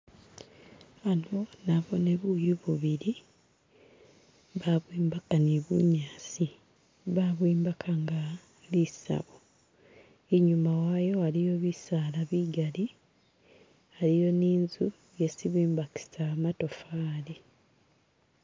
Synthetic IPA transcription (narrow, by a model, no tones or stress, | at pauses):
anonaβo̞ne̞βujuβuβiɾi | βaβwiːmbakaneβṵɲaːsi | βaβwiːmbakʰaŋɡa | lisa̰βo | eɲumawaːjo̞alijo̞βisaːlaβiɡali | alijo̞niːnzu | jesiβiːmbaki̥samato̞faːli